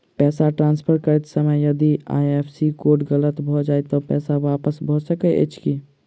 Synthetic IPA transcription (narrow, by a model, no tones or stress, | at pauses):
pɛːsaʈɾãːnspʰəɾkəɾɛt̪səməjəd̪ia̰ːjepʰsikoːɾʈɣələt̪bʱɔd͡ʒaːjt̪ɔpɛːsaʋaːpəsbʱɔsəkəʔḛt͡ʃʰki